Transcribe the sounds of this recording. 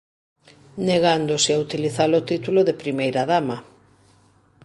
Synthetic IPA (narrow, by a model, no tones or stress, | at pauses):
neɣand̪osɪaut̪iliθalot̪it̪uloðepɾimejɾaðamɐ